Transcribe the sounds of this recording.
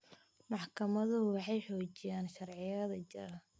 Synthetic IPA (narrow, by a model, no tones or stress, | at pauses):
mɑħkʰɐmɐðʊwɑħɑjħɔːt͡ʃɪjaːnʃɐrʕɪjɐðɐt͡ʃɪɾɐ